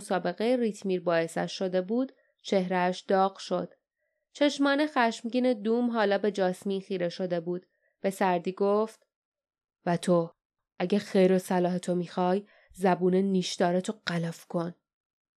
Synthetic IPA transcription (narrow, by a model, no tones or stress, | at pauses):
sɒːbe̞ɣejeɾit̪ʰmiːɾbɒːe̞sæ̰ʃʃo̞d̪e̞buːd̪̥ | t͡ʃʰe̞hɾæːʃd̪̥ɒːɢʃo̞d̪̥ | t͡ʃʰe̞ʃmɒːne̞xæʃmɟiːne̞d̪uːmɦɒːlɒːbe̞d͡ʒɒːsmiːxiːɾeʃo̞d̪e̞buːd̪̥ | b̥e̞sæɾd̪iːɡoft̪ | væt̪ʰo | ʔæɟæxejɾo̞sælɒːɦet̪ʰo̞miːxɒːj | zæbuːneniːʃd̪ɒːɾet̪ʰoɢ̥ælæfkʰo̞n